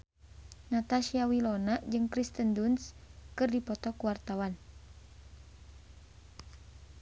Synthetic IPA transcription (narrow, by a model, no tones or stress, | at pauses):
nat̪aʃiawilɔnad͡ʒɨŋkɾist̪əndunskɨrdipɔt̪ɔkuwart̪awan